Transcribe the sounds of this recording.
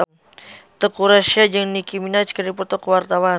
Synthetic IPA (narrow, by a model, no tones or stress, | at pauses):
t̪əkuɾaʃiad͡ʒəŋnikiminat͡ʃkəɾipɔt̪ɔkwart̪awan